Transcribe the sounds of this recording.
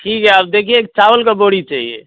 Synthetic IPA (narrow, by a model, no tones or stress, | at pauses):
ʈʰikɦɛaːb̚d̪ekʰieek̚t͡ʃaʋəlkeboɽit͡ʃaɦiḛ